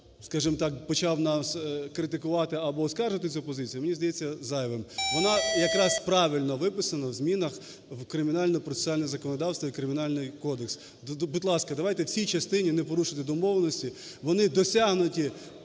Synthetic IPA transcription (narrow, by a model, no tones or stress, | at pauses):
skɑʒɪmt̪ɑkpɔt͡ʃɑwnɑskɾɪt̪̬ɪkʊʋɑt̪ɪɐbɔːskɑrʒʊʋɐt̪̬ɪt͡sʲupɔzɪt͡sʲijɐmenʲizd̪ɐjɛt͡sʲːɐzɑjʋemʋɔnɑjɐkɾɑspɾɑʋʲilʲnɔʋɪpɪsɐnɐwzmʲinɐx | wkɾɪmʲɪnɑlʲnɔɔpɾɔt̪e̥sɑlʲnɛzɐkɔnɔd̪ɑwst̪ʋɐikɾɪmʲɪnɑlʲnɪjkɔd̪eks | bʊdʲlˠɑskɐd̪ɐʋɑjt̪ɛwsʲijt͡ʃɐst̪ɪnʲinɛpɔɾuʃɪt̪ɪd̪ɔmɔʋnɔsʲtʲi | ʋɔnɪd̪ɔsʲaɦnʊtʲi